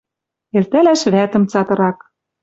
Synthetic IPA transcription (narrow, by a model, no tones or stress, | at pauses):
elt̪ælæʃβæt̪ə̆mt͡sɑt̪ɤ̆ɾɑk